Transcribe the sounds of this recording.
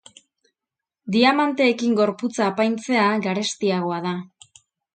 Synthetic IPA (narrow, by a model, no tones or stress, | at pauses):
d̪iamant̪e̞ːkiŋɡo̞ɾput͡saːpajnt͡se̞aɡaɾe̞st̪iaɣ̞o̞aða